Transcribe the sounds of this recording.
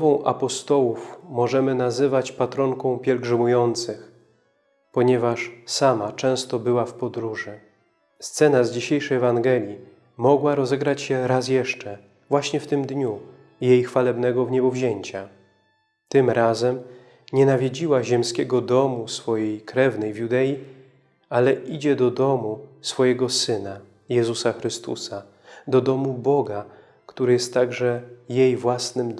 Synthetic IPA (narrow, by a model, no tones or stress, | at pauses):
vɔ̃w̃ʔa̰pɔst̪ɔwufmɔʐɛmɘnazɘvat͡ɕpat̪ɾɔŋkɔ̃w̃pʲjɛlɡʐɘmujɔnt̪sɘx | pɔɲɛvaʂsamat͡ʂɛ̃w̃st̪ɔbɘwafpɔd̪ɾuʐɘ | st̪sɛnazd͡ʑiɕejʂɛjɛvaŋɡɛlʲji | mɔɡwaɾɔzɛɡɾat͡ɕɕɛɾasjɛʂt͡ʂɛ | vwaɕɲɛft̪ɘmd̪ɲu | jejxfalɛbnɛɡɔvɲɛbɔvʑeɲt͡ɕa | t̪ɘmɾazɛm | ɲɛnavʲjid͡ʑiwaʑɛmskʲɛɡɔd̪ɔmusfɔjejkɾɛvnɛjvjud̪ɛji | alɛʔid͡ʑɛd̪ɔd̪ɔmusfɔjɛɡɔsɘna | jɛzusaxɾɘst̪ṵsa | d̪ɔd̪ɔmubɔɡa | kt̪uɾɘjɛst̪ːaɡʐɛjejvwasnɘm